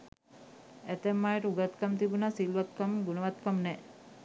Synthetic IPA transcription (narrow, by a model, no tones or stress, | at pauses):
æt̪ɛmːaːjəʈəuɡat̪kamt̪ibunaːsilʋat̪kamɡunəʋat̪kamnɛ